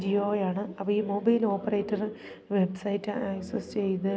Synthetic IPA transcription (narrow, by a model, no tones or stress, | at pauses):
d͡ʑioːjaːɳɨɐpːɐiːmoːbɐjlo̞ːpːɐrejtːɐr | ʋe̞bsɐjitːɨaːjsest͡ɕe̞jnɨ